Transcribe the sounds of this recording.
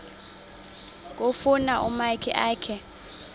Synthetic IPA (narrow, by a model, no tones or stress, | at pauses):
k̬ʼofunaʔumajkʰiʔaːkʰɛ